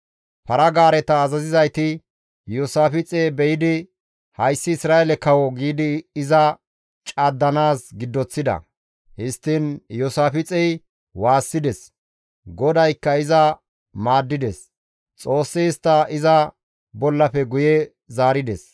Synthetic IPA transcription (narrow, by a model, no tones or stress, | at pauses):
pɐɾɐɡaːɾɛt̪ɐːzɐzɪzɐjt̪ɪ | joːsaːfɪt͡sʼeːbɛjɪd̪ɪ | hɐjsːɪːsɾaːjɛlɛkɐwɔɡiːd̪ɪːzɐ | t͡ʃʼaːd̪ːɐnaːsɡɪd̪ːɔt͡sːɪd̪ɐ̰ | hɪst̪ːɪnjosaːfɪt͡sʼɛj | waːsːɪd̪ɛs | ɡɔd̪ɐjkːɐɪzɐ | maːd̪ːɪd̪ɛs | t͡sʼo̞ːsːeːst̪ːɐɪzɐ | bɔlːɐfɛɡʊjɛ | zaːɾɪd̪ɛs